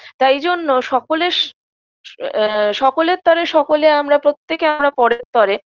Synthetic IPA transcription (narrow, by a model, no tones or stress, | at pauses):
t̪ajd͡ʑonːoʃɔkole | ʃɔkoleɾt̪ɔɾeʃɔkoleamɾapɾot̪ːekeamɾapɔɽeɾt̪ɔɾe